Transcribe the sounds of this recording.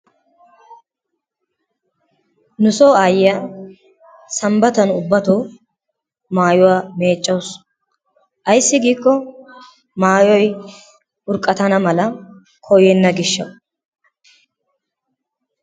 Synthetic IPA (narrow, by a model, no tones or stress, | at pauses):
nʊsoːaːjɪja | sɐmbɐt̪ɐnʊbːɐt̪oː | maːjʊwaːme̞ːt͡ʃʼːɐws | ʔɐjsːɪɡiːkːɔ | maːjɔj | ʊɾkʼːɐt̪ɐnɐmɐlɐ | kʰɔjɛnːɐɡɪʃːɐw